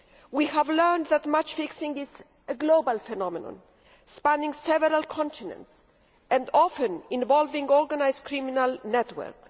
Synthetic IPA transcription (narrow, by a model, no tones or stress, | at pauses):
wihævlɜ˞nðætmat͡ʃfɪksɪ̃ŋɪz | əɡlobalfɛnɔmɛnɔ̰̃n | spãnɪ̃ŋsɛvəɾalkʰɔ̃ntinɛ̰̃nts | ʔɛ̃ndɔfə̃nĩnvɔlvĩŋɔɹɡanajzkʰɹiminalnɛtwə̰ɹk